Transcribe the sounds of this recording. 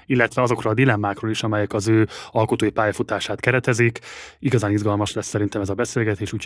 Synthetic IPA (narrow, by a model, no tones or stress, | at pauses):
ilːɛt̪ʋɛɒzo̞krɒːd̪ilɛmːaːkroːliʃɒmɛjɛkɒzøːɒlko̞t̪oːjipaːjɒfut̪aːʃaːt̪kɛɾɛt̪ɛzikiɡɒzaːnizɡɒlmɒʃlɛsːɛɾint̪ɛmɛzɒbɛseːlɡɛt̪eːʃuːcʰ